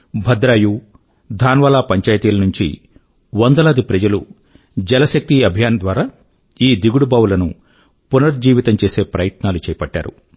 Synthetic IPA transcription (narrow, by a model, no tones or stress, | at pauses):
bʱɐd̪ɾaːju | d̪ʱaːnʋɐːlaːpɐɲt͡ʃaːjt̪iːlɐnuɲt͡ʃḭ | wɔnd̪ɐlɐːd̪ipɾɐd͡ʒɐlṵ | d͡ʒɛlɐʃɐk̚t̪iɐbʱijaːnɐd̪ʋaːɾaː | iːd̪iɡuɽubaːwulɐnṵ | punɐɾd͡ʒiːʋit̪ɐmt͡ʃeːse̞ːpɾɐjɐt̪naːlut͡ʃɛːjɐpɐʈːa̰ːɾṵ